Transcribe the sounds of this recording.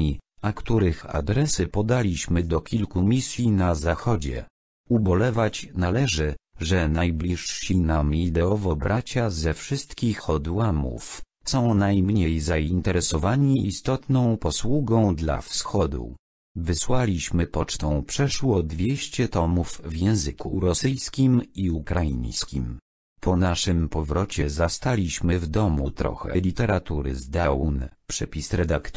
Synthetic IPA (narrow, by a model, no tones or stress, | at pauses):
iakt̪uɾɘxa̰d̪ɾɛsɘpɔd̪alʲiɕmɘd̪ɔkʲilkumʲisʲjinazaxɔd͡ʑɛ̰ | ubɔlɛvat͡ɕnalɛʐɘʐɛnajblʲiʂɕinamid̪ɛɔvɔbɾʔat͡ɕazɛfʂɘst̪kʲixɔd̪wamṵf | sɔ̃w̃najmɲejzaint̪ɛɾɛsɔvaɲiːst̪ɔt̪nɔ̃w̃pɔswuɡɔ̃w̃d̪la̰fsxɔd̪ṵ | vɘswalʲiɕmɘpɔt͡ʂt̪ɔ̃w̃pʂɛʂwɔd̪vʲeɕt͡ɕɛt̪ɔmuvvjɛ̃w̃zɘkuɾɔsɘjskʲimiukɾajḭɲskʲim | pʰɔnaʂɘmpɔvɾɔt͡ɕɛzast̪alʲiɕmɘvd̪ɔmut̪ɾɔ̰xɛ̰lʲit̪ɛɾat̪uɾɘ̰zd̪awunpʂɛpʲisɾɛd̪akt̪